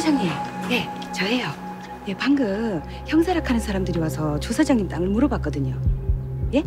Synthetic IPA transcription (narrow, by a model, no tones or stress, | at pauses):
d͡ʑaŋeje̞ | t͡ɕʌɦe̞jo | je̞paŋɡɯ | çjʌŋsʰaɾakʰanɯnsʰaɾamdɯɾiwasʰʌt͡ɕosʰad͡ʑaŋint͈aŋɯɭmuɾʌbak͈ʌdɯɲo | je̞